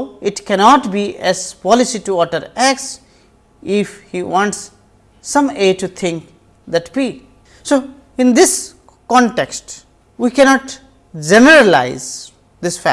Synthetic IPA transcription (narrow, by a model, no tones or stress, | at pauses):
ɪʈkɛnɔːʈbiɛz̥pɔlɪsiʈuɔʈəɾæks | ɪfhiwɔ̃ːɳʈsː | ʌ̃meːʈut̪ʰɪ̃ŋk | d̪æʈpi | so | ɪ̃nd̪ɪs | kɔ̃ɳʈeksʈ | wikɛnɔːʈ | d͡ʒenəɾəla̰ɪz | d̪ɪsfæ̰